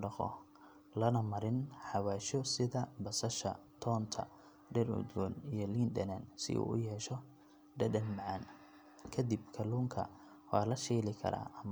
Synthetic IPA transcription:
ɖɑqɔ̰ | lɐnɐmɐɾɪnħɑwaːʃɔsɪðɐbɐsɐʃɐ̰t̪ʰɔːnt̪ʰɐ̰ | ɖɛrʊ̰d̪wɔːnijɞliːnd̪ɐ̰nansɪ̰ʔṵːʊjɛːʃɔ | ɖɐdɐnmɑʕɑn | kʰɐd̪ibkʰɐluːŋkʰɐ̰ | wɑːlɐʃɛːlɪkʰɐ̰ɾa̰ːɐm

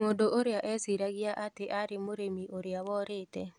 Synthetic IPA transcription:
odoʔoɾeaʔɛsiɾaɣjaʔateʔaɾɪmoɾemiʔoɾjawɔɾeːtɛ

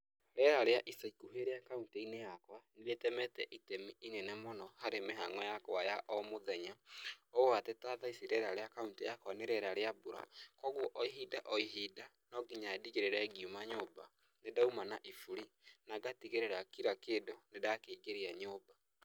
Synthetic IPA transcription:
ɾɛɾaɾeaʔisaikuɦeɾeakauntinejakwanɾetɛmɛtɛʔitemiʔinenɛmonɔhaɾemeɦaŋwɛjakajaʔɔmoðɛɲaowatɛtaːðaisiɾɛɾaɾeakauntijakwaneɾɛɾaɾeabuɾa̰kɔɣwɔʔɔiɦidaʔɔiɦida | nɔɡiɲadiɣeɾeɾɛɡiumaɲoːba̰ | nedaumanaʔifuɾi | naɡatiɣeɾeɾakiɾakeːdonedakeiɡeɾiaɲoːba

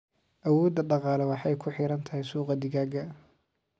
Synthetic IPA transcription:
ʔɐwɔːd̪ːɐɖɑqɑːlɛwɑħɑjkʰʊħɪɾɐnt̪ʰɐɦɛjsuːqɑd̪ɪɣaːɡɐ

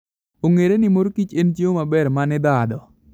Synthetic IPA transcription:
oŋeɾenɪmoɾkit͡ʃent͡ʃeomabɛɾmanɪd̪ad̪ɔ

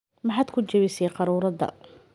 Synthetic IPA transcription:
mɑħaːd̪kʰʊt͡ʃɐβɪsɛjqɑɾuːɾɐdɐ̰

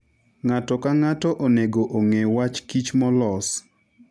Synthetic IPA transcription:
ŋatɔkaŋatɔʔoneɡoʔoŋewat͡ʃkit͡ʃmɔlɔs

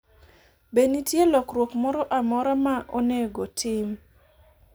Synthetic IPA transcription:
benitjelɔkrwokmɔɾɔʔamɔɾamaʔoneɡotʰɪm

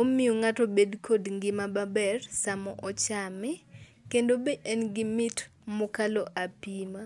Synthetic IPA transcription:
omɪoŋatobedkʰodŋɡɪmababɛrsamɔʔɔt͡ʃamɪ | kendobeʔɛnɡɪmɪt | mʊkaloʔapima

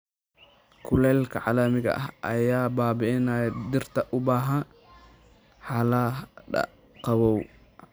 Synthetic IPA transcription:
kʰʊlɛːlkʰɐʕɑlɐmɪɣɐ̰ʔɐ̰ɦʔɐjaːbaːbɪʔɪnaːjɐd̪ɪrt̪ʰɐʔʊbaːɦɐn | ħɑlaɖɐ̰ | qɑβɔw

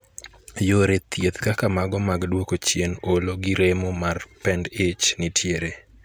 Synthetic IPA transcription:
joɾet̪ʰjet̪kakamaɡɔmaɡdwokot͡ʃjenoloɡɪɾemomarpɛndɪt͡ʃnɪtʰjeɾe

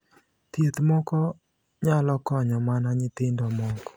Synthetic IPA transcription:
t̪jet̪mɔkɔ | ɲalɔkɔɲɔmanaɲɪt̪ɪndɔmɔkɔ̥

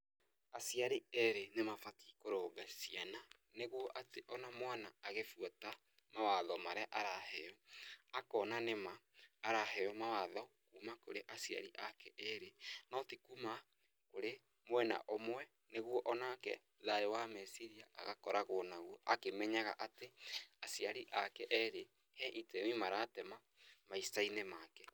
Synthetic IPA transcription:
asiaɾiɛɾenemafati̥koɾoːɡasiana | neɣwɔʔateʔɔnamwanaːɣefwɔta | mawaðɔmaɾeaʔaɾahɛɔakɔnanemaːɾahɛɔmawaðɔ | kumakoɾeʔasia̰ɾiʔakɛʔɛɾenɔtikuma | koɾe | mwɛna̰ʔomwɛ | neɣwɔʔɔnakɛ̰ | ðaɾewamɛsiɾiaa̰ɣa̰kɔɾaɣonaɣwɔʔakemɛɲaɣa̰ʔateasiaɾiʔakɛʔɛɾe | hɛʔitɛmimaɾaːtɛma | maisainɛmakɛ

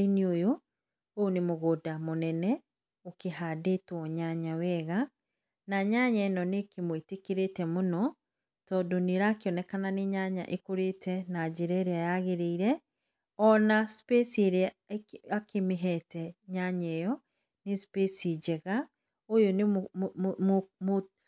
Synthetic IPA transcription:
iniojo | oonemoɣoːdamonɛnɛ | okeɦadetwɔɲaɲawɛɣa | naɲaɲɛnɔnekemwetekeɾetɛmonɔ | tɔːdoneɾaːkeɔnɛkananeɲaɲa̰ʔekoɾetɛnad͡ʒeɾɛɾeajaɣeɾeiɾɛ | ɔnaspesieɾeaakemeɦɛtɛɲaɲɛjɔ | nespesid͡ʒɛɣa | ojone | mo

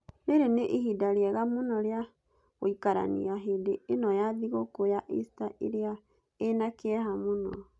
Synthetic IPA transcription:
neɾeneʔiɦidaɾeɛɣamonɔɾea | ɣoikaɾa̰nḭaɦedeenɔjaðiɣokojaʔestaʔeɾea | enakeɛɦamonɔ̰

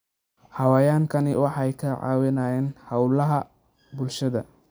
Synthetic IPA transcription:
hɑwɛːjaːŋkʰɐnɪwɑħɑjkʰɐʕɑ̰ːwɪnaːjɛːnhɐwlɐɦɐ | bʊlʃɐðɐ̰

